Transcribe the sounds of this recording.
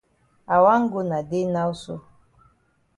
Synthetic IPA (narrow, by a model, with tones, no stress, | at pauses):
a˨wa˦ŋ̩˦ɡo˦na˨de˦na˦u˦so˦